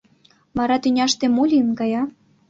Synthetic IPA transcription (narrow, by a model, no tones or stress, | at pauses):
mɑɾɑt̪ynʲɑʃt̪emulʲinɡɑjɑ